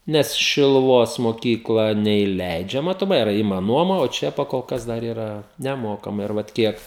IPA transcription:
ˈnʲɛs ʃʲɪlˠʊˈʋoːs moːˈkʲiːklˠɐ nʲɛiːˈlʲɛɪd͡ʒʲɛ mɐtoːˈmɐɪ ɪˈrɐ ˈɪmɐ ˈnuɔmɐ oː ˈt͡ʃʲɛ pɐkoːlˠˈkɐs ˈdɐr ˈiːrɐ nʲɛˈmoːkɐmɐɪ ɪr ˈʋɐt ˈkʲiɛk

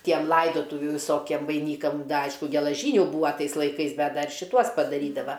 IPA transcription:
ˈtʲiɛm ˈlˠɐɪdoːtʊʋʲuː ʋʲɪˈsoːkʲiɛm ʋɐɪˈnʲiːkɐm ˈɐɪʃkʊ ɡʲɛlˠɐˈʒʲiːnʲʊ ˈbuːʋɐ ˈtɐɪs lˠɐɪˈkɐɪs ˈbʲɛt ˈdɐr ʃʲɪˈtuɔs pɐdɐˈrʲiːdɐʋɐ

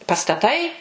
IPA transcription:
pɐstɐˈtɐɪ

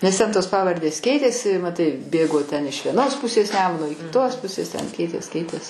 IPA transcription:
nʲɛs ˈtʲɛn toːs ˈpɑːʋɐrʲdʲeːs ˈkʲɛɪtʲeːsʲɪ mɐˈtɐɪ ˈbʲeːɡoː tʲɛn ɪʃ ʋʲiɛˈnoːs ˈpʊsʲeːs ˈnʲæːmʊnoː ɪ kʲɪtoːs ˈpʊsʲeːs tʲɛn ˈkʲɛɪtʲeːs ˈkʲɛɪtʲeːs

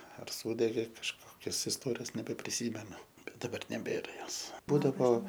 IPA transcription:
ɐr ˈsuːdʲɛɡʲeː kɐʃˈkoːkʲoːs ɪsˈtoːrʲɪjoːs nʲɛbʲɛpʲrʲɪˈsʲiːmʲɛnʊ bʲɛt dɐˈbɐr nʲɛˈbʲeːrɐ ˈjoːs ˈbuːdɐʋoː

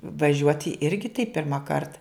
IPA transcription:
ʋɐˈʒʲuɔtʲɪ ˈɪrʲɡʲɪ tɐɪ pʲɪrmɐˈkɐrt

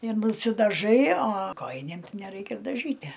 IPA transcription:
ɪr nʊsʲɪdɐˈʒɐɪ ɐ ˈkoːjɪnʲeːm ˈtɐɪ nʲɛˈrɐɪkʲɛ ɪr dɐˈʒʲiːtʲæ

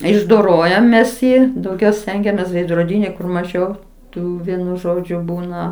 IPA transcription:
ɪʒdoːˈroːjɛm ˈmʲɛs ˈjɪ dɐʊˈɡʲɛʊ ˈsʲtʲɛŋʲɡʲɛmʲeːs ʋʲɛɪdroːˈdʲiːnʲɪ kʊr mɐˈʒʲɛʊ ˈtuː ˈʋʲiɛnʊ ˈʒoːd͡ʒʲʊ ˈbuːnɐ

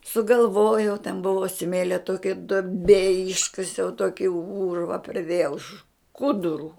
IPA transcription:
sʊɡɐlˠˈʋoːjɛʊ tʲɛn ˈbʊʋoː ˈsʲmʲeːlʲoː ˈtoːkʲɛ duɔˈbʲeː ˈɪʃkɐsʲɛʊ ˈtoːkʲɪ ˈuːrʋɐ pʲrʲɪˈdʲeːjɛʊ ˈʃkʊdʊrʊ

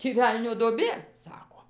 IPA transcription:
tʲiː ˈʋʲɛlʲnʲoː duɔˈbʲeː ˈsɑːkoː

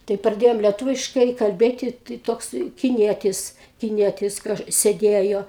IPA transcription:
tɐɪ prɐˈdʲeːjoːm lʲiɛˈtʊʋʲɪʃkɐɪ kɐlʲˈbʲeːtʲɪ tɐɪ ˈtoːks kʲɪˈnʲiɛtʲɪs kʲɪˈnʲiɛtʲɪs ˈkɐʃ sʲeːˈdʲeːjoː

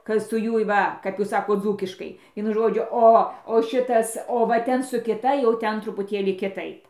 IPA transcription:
kɐ sʊ ˈjuɔj ˈʋɐ kɐp ˈjuːs ˈsɑːkoːt ˈd͡zuːkʲɪʃkɐɪ ˈʋʲiɛnʊ ˈʒoːd͡ʒʲʊ ˈoː oː ˈʃʲɪtɐs oː ʋɐ ˈtʲɛn sʊ kʲɪˈtɐ jɛʊ ˈtʲɛn trʊpʊˈtʲeːlʲiː kʲɪˈtɐɪp

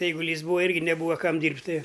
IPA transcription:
ɛɪɡʊˈlʲiːs ˈbuːɐ ˈɪrʲɡʲɪ nʲɛˈbuːʋɐ ˈkɐm ˈdʲiːrʲpʲtʲ ˈtɨ

